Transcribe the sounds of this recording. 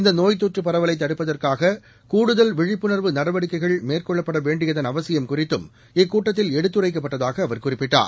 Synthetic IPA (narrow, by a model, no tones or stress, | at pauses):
ɪnd̪ɐnoːjt̪oːʈrɯpːɐɾɐʋɐlɐɪt̪ːɐɽɯpːɐðɐrkaːɣɐ | kuːɽɯðɐlʋɪɻɪpːɯnɐɾʋɯnɐɽɐʋɐɽɪkːɐɪɣɐɭmeːrkɔɭːɐpːɐɽɐʋeːɳɖɪjɐðɐnɐʋɐsɪjɐmkʊrɪt̪ːɯm | ɪkːuːʈːɐt̪̬ːɪlɛɽɯt̪ːɯrɐɪkːɐp̬ːɐʈːɐðaːɣɐːʋɐɾkʊrɪpːɪʈːa̰ːɾ